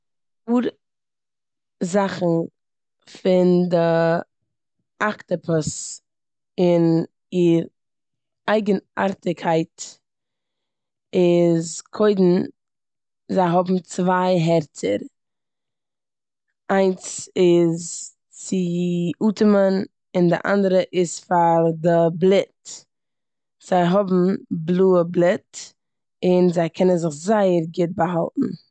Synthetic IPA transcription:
uːɾ | zaχn̩ | fɪndɪ | aktəpʰəs | ɪn | iɾ | aɪɡəna̰ɾtɪkʰaɪt | ɪzkʰoɪdn̩ | zaɪɦɔbm̩t͡svaɪɦɛɾt͡sə̰ɾ | ʔaɪnsɪz | t͡sɪuːtəmən | ɪndɪ̰ʔa̰ndəɾəʔɪsfaɾdɪblˠɪt | z̥aɪɦɔbm̩blˠuːəblˠɪt | ɪnzaɪkʰɛnənzɪχzaɪəɾɡɪt̚bəɦalˠtn̩

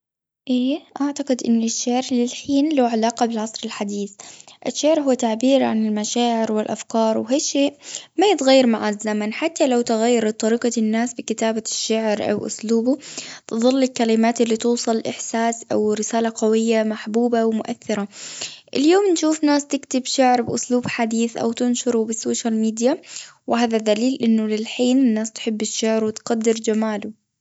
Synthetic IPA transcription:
ʔeːʔaʕt̪aqɪd̪ʔɪ̰nːɪʃːaʕɾlɪlħiːnlaːʕalaːqɑbɪlʕɑsˤɾɪlħad̪iːθʔɪʃːaʕɾɦʊwːat̪aʕbiːɾʕa̰nɪlmaʃaːʕɪɾwɪlʔa̰fkɑːɾˤwɦaːʃeːʔmajɪt̪ɣajːɑɾˤmaʕazːamanħat̪ːalawt̪ɪɣajːɑɾ̚ˤt̪ˤːɑɾiːqɑnːaːsbɪkɪt̪aːbaʃːaʕɾʔa̰wʔʊ̰sluːbʊt̪ɨðˤɨlːɪlkalɪmaːt̪ɪlːit̪uːsˤɨlʔɪħsaːsʔawɾɪsaːlaqɑwɪjːamaħbuːbawɪmʊʔaθːɪɾˤaʔɪljoːmnʃuːfnaːst̪ɪkt̪ɪbʃaʕɾbʔʊsluːbħad̪iːθʔa̰wt̪ɪnʃʊɾubɪsoːʃalmiːd̪jawɪhaːðad̪aliːlʔɪnːʊlɪlħiːnɪnːaːst̪ħɪbːɪʃːaʕɾwɪt̪qad̪ːɪɾd͡ʒamaːlʊ

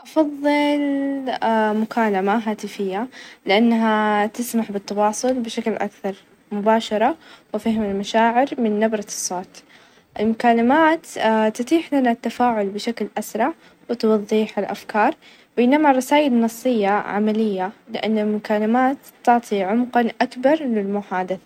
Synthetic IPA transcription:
ʔɑfɑðˤːɨl | mʊkaːlamaɦaːt̪ɪfɪjːalɪʔanːaɦat̪ɪsmaħbɪt̪ːɑwɑːsˤʊlbɪʃaklʔa̰kθɑɾˤ | mʊbaːʃɑɾˤɑwɪfɪhɪmɪlmaʃaːʕɪɾmɪnːabɾˤɑsˤːoːt̪ | ʔɪlmʊkaːlɪmaːt̪t̪ːɪt̪ˤiːħlanat̪ːafaːʕʊlbɪʃaklʔasɾˤɑʕ | wɪt̪wɑðˤːiːħɪlʔa̰fkɑːɾˤ | beːnamarˤɑsaːʔɪlnɑsˤːɨjːaʕa̰malɪjːalɪʔanːɪlmʊkaːlɪmaːt̪ːɑʕt̪ˤʰiʕʊmqɑnʔakbɑɾˤlɪlmʊħaːd̪aθḁ

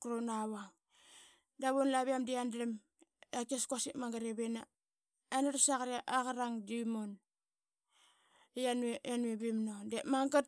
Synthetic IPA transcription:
kɾonaβaŋ | daβonlaβiamdiandɾem | akeskasipmaŋɡaɾeβena | anaɾasakaɾaʔaɣaɾaŋdimon | janeanuebimnodemaŋɡat̚

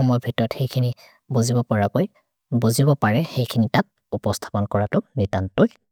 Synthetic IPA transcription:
ɔmɔjɔbʱitɔɹɔtxejkʰini | bozibɔpɔɹakoj | bozibɔpaɹɛxejkʰinitat̚ | upɔstʰḁpɔnkɔɹatʊnitantʊj

